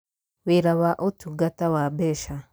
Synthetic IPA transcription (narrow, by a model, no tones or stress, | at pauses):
weɾawaʔotuɡatawabeʃa